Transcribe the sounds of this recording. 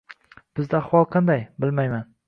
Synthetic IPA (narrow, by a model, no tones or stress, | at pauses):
b̥ɪzd̪aːχwɒlˠqʰɑnd̪ajbɪlmajman